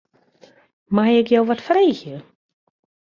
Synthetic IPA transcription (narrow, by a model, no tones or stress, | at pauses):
majɪkjowʋɔtfreːxjə